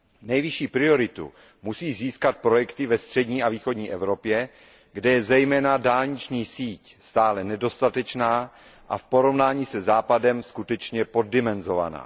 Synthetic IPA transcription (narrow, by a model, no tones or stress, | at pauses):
nɛjvɪʃiːpɾɪo̞ɾɪt̪ṵ | musiːziːskat̪̚pɾo̞jɛkt̪ɪvɛst̪r̝̥ɛdɲiːaviːxo̞dɲiːʔɛvɾo̞pjɛ | ɡdɛjɛzɛjmɛːnadaːlɲɪt͡ʃɲiːsiːcst̪aːlɛnɛdo̞st̪at̪ɛt͡ʃnaː | ʔa̰fpo̞ɾo̞vnaːɲiːsɛzaːpadɛmskut̪ɛt͡ʃɲɛpo̞dːɪmɛnzo̞va̰na̰ː